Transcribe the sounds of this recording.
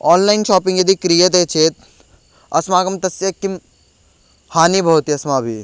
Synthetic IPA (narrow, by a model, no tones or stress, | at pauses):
ɔːnlainʃɔːpĩŋɡjɐd̪ikɾijet̪̬eːt͡ʃʰeːt̪ | ɐsmaːkɐmt̪ɐsjɐkːim | haːnibʱɐut̪iɐsmaːbʱḭ